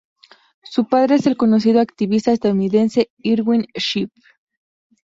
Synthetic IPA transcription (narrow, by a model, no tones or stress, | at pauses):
supaðɾeeselkonos̬iðoakt̪iβist̪aes̬t̪aðuniðense̞ | iɾɡinʃip